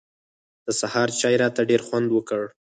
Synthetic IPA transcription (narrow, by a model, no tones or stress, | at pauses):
d̪̥əsahɑɾt͡ʃɑjɾɑt̪aɖeɾxwand̪wəkəɽ